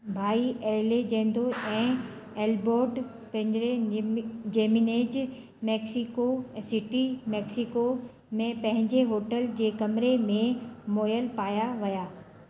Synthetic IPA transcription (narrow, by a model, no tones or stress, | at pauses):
bʱaːiʔeːled͡ʑẽːn̆d̪oʔɛ̃ː | eːlboːɾɖ | pɐ̃ɦɲd͡ʑɾe | d͡ʑeːmineːd͡ʑ | mɛːksikosɪʈimɛːksiko | mẽpɐ̃ɦɪ̃ɲd͡ʑeɦoːʈəld͡ʑeːkɐmɾemẽmoːjəlpaːjaʋɐjaː